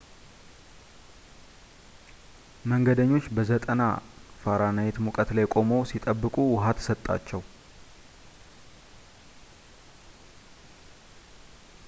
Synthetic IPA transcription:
məŋɡəd̪əɲːo̞t͡ʃːbəzət̪ʼəna̰faɾanajet̪mukʼət̪lajkʼo̞məwsit̪ʼəbːɨkʼuwʊɦat̪sət̪ʼːa̰t͡ʃːɛw

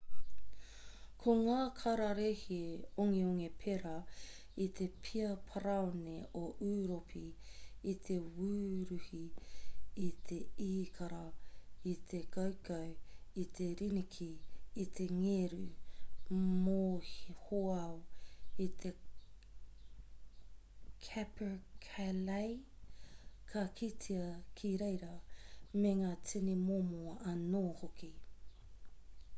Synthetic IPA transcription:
kʰoŋaːkʰɐɾaɾehioŋeoŋepʰeɾɐ | it̪ʰe̞pʰiɐpʰaɾaoneoʔuːɾopʰiit̪ʰe̞wuːɾʉhiː | t̪ʰeiːkʰaɾait̪ʰe̞kawkawit̪ʰeɾinikʰiːt̪ʰe̞ŋeɾu | mohhoɐoit̪ʰe̞ | kʰɛpʰəkʰalɐj | kʰɐkʰit͡sʰiɐkʰiɾejɾɐmeŋaːt͡sinimomoʔɐnoːhoki

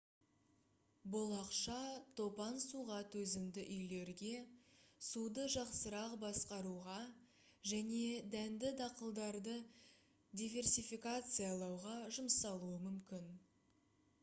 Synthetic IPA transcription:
bolˠɑqʃɑt̪ʰo̞pɑnsuʁɑt̪wɵzɪmd̪ɪʔʏjle̞ɾɡʲe̞sud̪əʒɑqsəɾɑqbɑsqɑɾuʁɑ | ʒæne̞d̪ænd̪ɪd̪ɑqəlˠd̪ɑɾd̪ə | d̪ʲijvʲe̞rsifikat̪sɨjɑlˠɑwʁɑʒʊmsɑlˠuəmʏmkʲɪn

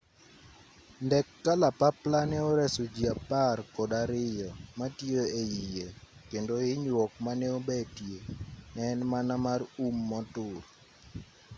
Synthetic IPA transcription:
ndɛkːalapaplanɛɔɾɛsod͡ʒiaparkɔdaɾɪjɔmatjeejijekendoɪɲwɔk̚manɛobɛtjenɛnmanamarumːɔtʊr

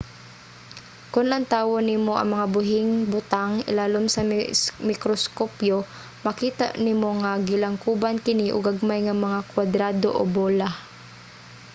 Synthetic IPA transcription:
kʊnʔɐŋt̪aːwonimoʔɐ̰ŋmɐŋabʊɦɪŋbʊt̪aŋɪ̰laːlomsɐmɪkɾoskopjo | mɐkiːt̪a̰nɪmoŋaɡɪlaŋkuːbankɪniʔo̰ɡaɡ̚majŋɐmɐŋakwad̪ɾaːd̪o̰ʔo̰boːla

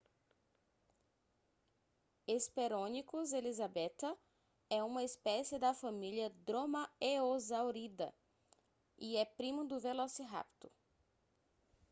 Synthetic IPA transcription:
espeɾõnikʊzelizabɛt̪ɐ | ɛũmɐispɛsɪd̪ɐfamiljɐd̪ɾõmɐeozawɾid̪ɐ̰ | iɛpɾimʊd̪ʊvelosiɦa̰pt̪ʊ

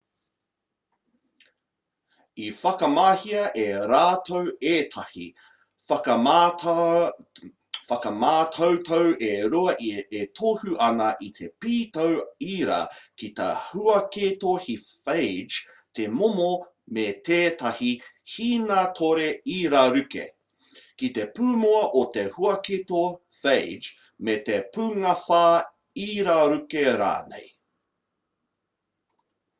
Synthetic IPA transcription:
ifɐkɐmaːhiɐʔeɾaːtʰoweːt̪ʰɐhḭ | fɐkɐmaːtʰowt̪ʰowʔeɾuɐʔiet̪ʰohuʔɐnɐʔit̪ʰepiːtowiːɾɐ̰kit̪ɐ̰huɐkeːt̪ohifejd͡ʒ | temomo | met̪eːtɐhihiːnɐtʰoɾeiːɾɐɾʉkḛ | kit̪epʉːmoɐʔot̪ehuɐket̪o | fed͡ʒ | met̪epʉŋɐfaː | iːɾɐɾʉkeɾa̰ːnḛj

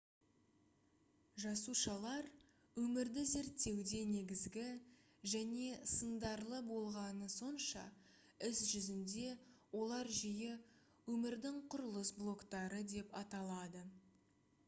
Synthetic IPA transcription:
ʒɑsuʃɑlˠɑɾ | wɵmɪɾd̪ɪze̞ɾt̪ːe̞wd̪e̞ne̞ɡʲɪzɡʲɪ | ʒæne̞sənd̪ɑɾlˠəbo̞lˠʁɑnəso̞nʃɑ̰ | ɪsʒʏzɪnd̪e̞wo̞lˠɑɾʒijɪ | wɵmɪɾd̪ɪŋqʰʊɾəlˠəsblˠo̞kt̪ɑɾəd̪e̞pɑt̪ɑlˠɑd̪ə

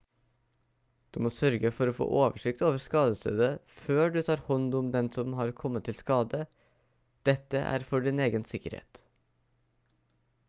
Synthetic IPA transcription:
d̪̥ʉːmoːsœɾɡəfɔɾoːfo̰ːʔoːʋəʂɪk̚t̪oːʋəɾskɑːd̪əst̪ø̰ːd̪əføːɖʉːt̪ʰɑːɾhɔnd̪ʊmd̪ɛnsɔmhɑːɾkʰɔmːət̪ʰːɪlskɑːd̪ə | d̪̥ɛt̪əʔæ̰ːɾfɔɖɪneːɡənsɪkəɾhḛːt̪

